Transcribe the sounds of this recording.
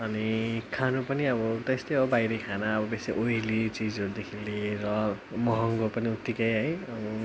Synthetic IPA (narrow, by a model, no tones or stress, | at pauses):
ʌnikʰanupʌniʌbʌt̪est̪ʌjʌbʌbajɾʌkʰanaʌbʌbeseʔojlit͡sid͡zʌɾud̪ekʰiliɾʌmʌɦʌŋɡopʌniut̪ːikʌjɦʌjʌbʌ